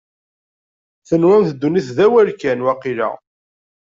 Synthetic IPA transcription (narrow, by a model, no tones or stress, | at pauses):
θənwænθəd̪ːuniθðæwælkænwæqilæ̰